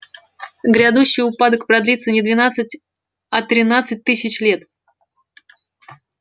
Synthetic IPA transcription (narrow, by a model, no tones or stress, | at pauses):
ɡɾʲad̪uɕːɪjʊpad̪əkpɾɐd̪lʲit̪sənʲɪd̪vʲɪnat̪sɨt̚ʲ | ɐt̪ɾʲɪnat̪sɨt̚ʲt̪ɨsʲɪt͡ɕlʲe̞t̪